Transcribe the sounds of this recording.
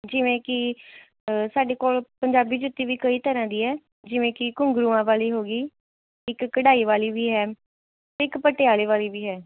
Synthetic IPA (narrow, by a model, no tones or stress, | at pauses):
d͡ʒɪʋẽːkɪ | saːɖeːkoːlpəɲd͡ʒaːbiːd͡ʒʊt̪ːiːʋiːkəiːt̪əɾãːd̪iːɦɛː | d͡ʒɪʋẽːkɪkʊ̃ŋɡɾuːãːʋaːliːɦoːɡiː | ɪkːəɽaːiːʋaːliːʋiːɦɛː | t̪eɪkpəʈɪaːleːʋaːliːʋiːɦɛː